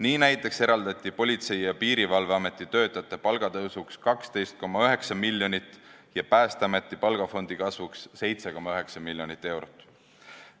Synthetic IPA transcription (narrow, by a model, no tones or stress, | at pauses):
niːnæjt̪ːˑe̞kse̞ɾɑld̪̥ɑt̪ʲˑːipo̞lʲit̪se̞jjɑpiːɾivɑlveɑme̞t̪ˑːit̪ø̞ːt̪ːˑɑjɑt̪ːˑe̞pɑlɡ̥ɑt̪ɤwsukskɑkst̪e̞jst̪̚ko̞mːɑøɦe̞ksɑmilʲjo̞nit̪ːˑjɑpæːst̪eɑme̞t̪ːˑipɑlɡ̥ɑfo̞nd̪̥ikɑsvuksːe̞jt̪se̞ko̞mːɑøɦe̞ksɑmilʲːjo̞nit̪ːˑe̞wɾot̪ːˑ